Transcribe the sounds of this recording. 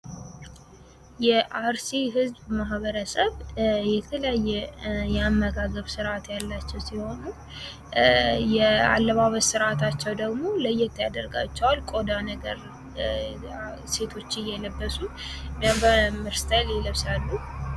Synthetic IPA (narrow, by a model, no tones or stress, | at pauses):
jɛʔaɾsiɦɨzbmaɦbəɾəsəβjɛt̪ʰələjajːɛjɛamːəɡaɡəβsɨɾʔat̪jalːat͡ʃːɛwsiho̞nu | jɛa̰lːəβaβəzsɨɾʔat̪ʰat͡ʃːɛwd̪əɡmo̞ləjːɛt̪ʰːjad̪əɾɡa̰t͡ʃːɛwalkʼo̞d̪anəɡəɾ | se̞t̪ʰo̞t͡ʃːɪjːɛləbːəsumjambəmɨɾst̪ʰəliləβsalːu